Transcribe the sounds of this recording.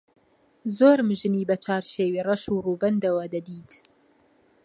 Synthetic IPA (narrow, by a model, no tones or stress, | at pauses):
zoːɾmɨʒɨniːbɐt͡ʃʰaːɾʃeːwiːrɐʃuːruːbɐnd̪ɐwɐd̪ɐd̪iːt̪